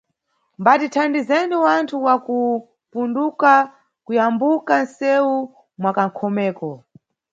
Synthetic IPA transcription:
mbatitʰandizɛniwantʰuwaku | punduka | kujambukan̩sɛu | mwakaŋ̩kʰɔmɛːkɔ

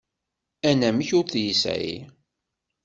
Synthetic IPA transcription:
ænæməçʊɾθjisḭ

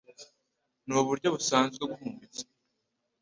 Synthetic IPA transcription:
nuβuɾɟo̞βusaːnzɡebɡuhuːmvit͡se̥

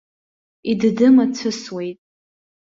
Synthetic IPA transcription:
iddɨmat͡sʰɨswe̞jtʼ

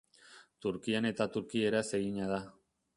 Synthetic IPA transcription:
t̪uɾkiane̞t̪at̪uɾkie̞ɾase̞ɣiɲað̞a

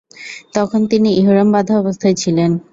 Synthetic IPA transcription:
t̪ɔkʰont̪iniʔiɦoɾambad̪ʱaɔbost̪ʰaet͡ɕʰilen

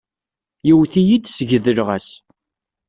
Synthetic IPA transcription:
jiwθijid̪səʝəðəlʁæs

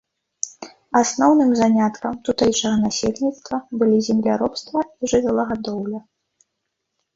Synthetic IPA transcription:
asnɔwnɨmzanʲat̪kɐmt̪ut̪ɛjʂɐɣɐnasʲelʲnʲit̪st̪vɐbɨlʲizʲɛmlʲaɾɔpst̪vɐiʐɨvʲalˠɐɣad̪ɔwlʲɐ

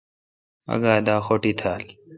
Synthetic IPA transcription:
ɐ̰ɡaːd̪aːxoːʈiːt̪ʰaːl

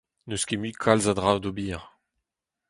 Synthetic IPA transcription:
nøskʲemykʰalzad̪ʁawd̪obiːʁ

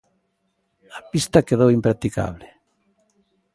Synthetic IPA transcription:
apist̪akeðowimpɾat̪ika̰βle

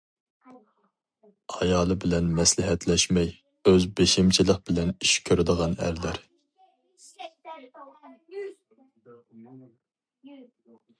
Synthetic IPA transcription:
ɑjɑːlˠɨbɪlɛnmɛslɪɦɛt̪lɛʃmɛj | øzbeʃimt͡ʃʰɪlˠəq̚bɪlɛnyʃkʲʰøɾɪd̪əʁɑnæ̰ɾlæɾ

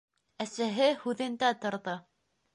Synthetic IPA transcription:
æsæɦɘhʉðɘ̆nd̪æt̪ŏɾðɤ

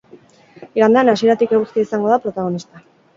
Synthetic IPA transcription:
iɣand̪eanasie̞ɾat̪ikeɣust̪iaisaŋɡo̞ðapɾo̞t̪aɣ̞o̞nist̪a

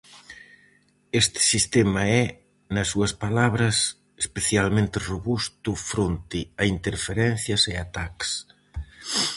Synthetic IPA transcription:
est̪ɪ̥sist̪ɛmɐɛ | nɐsːuɐspalaβɾɐs | e̥speθjalmẽnt̪ɪroβust̪ʊfɾont̪ɪɐint̪eɾfeɾɛn̟θjɐseat̪aks

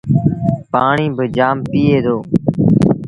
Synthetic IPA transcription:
paːɳiːbəd͡ʒaːmpiːeːd̪oː

